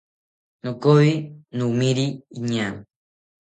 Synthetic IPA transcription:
nokoinumiɾiiɲaŋ

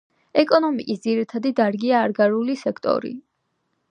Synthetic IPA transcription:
ɛkʼɔnɔmikʼisd̪ziɾit̪ʰad̪id̪aɾɡiaːɾɡaɾulisɛkʰt̪ʼɔ̰ɾḭ

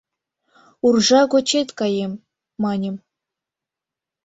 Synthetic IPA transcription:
urʐɑɡot͡ɕet̪ʲkɑjemː | ɑnʲɘ̆m

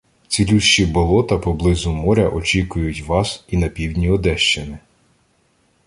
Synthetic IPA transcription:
t͡sʲilʲuʃt͡ʃibɔlˠɔt̪ɐpɔblˠɪzʊmɔɾʲɐ̰ʔɔt͡ʃʲikʊjʊtʲʋɑsinɐpʲiwdʲnʲiɔd̪ɛʃt͡ʃɪnɪ

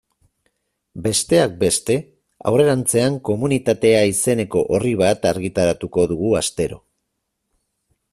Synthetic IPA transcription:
be̞st̪e̞ak̚be̞st̪e̞ | a̰wre̞ɾant͡se̞aŋko̞munit̪at̪e̞aise̞ne̞ko̞ʔoriβ̞at̪aɾɣit̪aɾat̪uko̞ðuɣ̞uast̪e̞ɾo̞̰

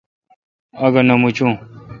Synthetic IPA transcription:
ɐɡɐnɐmut͡ɕũ

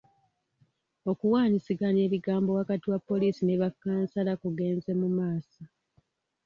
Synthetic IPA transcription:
o̞kuwaːɲisiɡane̞ːβiɡaːmbo̞wakatiwapːo̞liːsineβakːaːnsalakuɡe̞ːnze̞mumaːsa

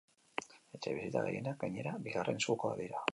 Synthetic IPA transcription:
et͡ʃeβisit̪a̰ɣḛjenak̚ɡaɲe̞ɾabiɣarʔe̞nsɣukoa̰ðiɾa

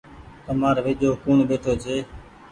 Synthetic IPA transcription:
t̪əmaːɾʋɪʄoːkuːɳɓeːʈʰoːt͡ʃʰeː

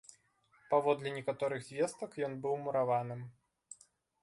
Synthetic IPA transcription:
pavɔd̪lʲɛnʲɛkat̪ɔɾɨɣzʲvʲest̪ɐkjɔnbɨwmuɾavanɨm

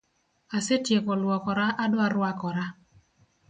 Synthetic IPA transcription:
asetjekɔlwɔkɔɾaʔadʊaɾwakɔɾa

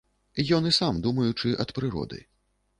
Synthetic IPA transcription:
ijɔnisamd̪umɐjut͡ʂɨʔɐt̪pɾɨɾɔ̰d̪ɨ̰

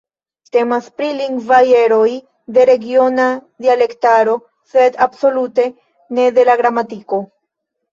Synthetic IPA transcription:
te̞maspɾiliŋɡvaje̞ɾo̞j | d̪e̞ɾe̞ɡio̞nad̪iale̞ktaɾo̞ | se̞dabso̞lute̞ | ne̞de̞laɡɾamatiko̞

